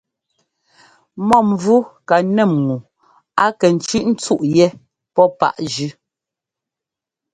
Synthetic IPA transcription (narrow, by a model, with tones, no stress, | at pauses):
mɔ˦˨mvu˦ka˨nɛ˦˨mŋu˨ | a˦kɛ˨n̩˨t͡ʃi˦ʔn̩˦t͡su˦ʔjɛ˦ | pɔ˦pa̰˦ʔd͡ʒʉ˦